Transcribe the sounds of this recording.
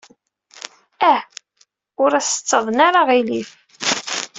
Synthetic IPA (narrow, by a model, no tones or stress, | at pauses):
æ | ʊɾæsə̥t͡sːəðˤnaɾaʁiliθ